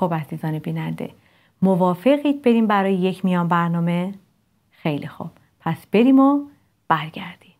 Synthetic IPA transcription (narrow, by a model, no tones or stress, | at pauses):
xubæziːzɒːnebiːnænd̪ḛ | movɒːfe̞ɣiːt̪̚be̞ɾiːmbæɾɒːjejecʰmijɒːnbæɾnɒːme̞ | xe̞jlḭxṵb̥̚ | pʰæsb̥e̞ɾiːmo | b̥æɾɟæɾd̪̥iːm